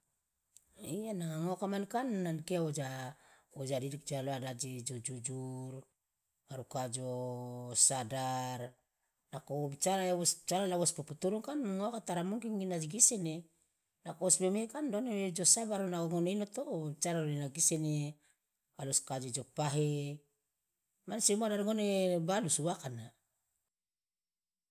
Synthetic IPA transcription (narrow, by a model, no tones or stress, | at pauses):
ianaŋaŋokamankanːankeod͡ʒaod͡ʒadidik̚d͡ʒaloadad͡ʒid͡ʒod͡ʒud͡ʒuɾ | aɾukad͡ʒosadaɾ | nakobit͡ʃaɾaeβost͡ʃaɾalaβospuputuɾuŋkanŋokataɾamuŋkiŋɡinad͡ʒiɡisene | nakoosmemekandoneed͡ʒosabaɾunaoŋonenotobit͡ʃaɾaonenaɡisene | aluskad͡ʒod͡ʒopaɦe | mansemuadaɾŋonebalusuwakana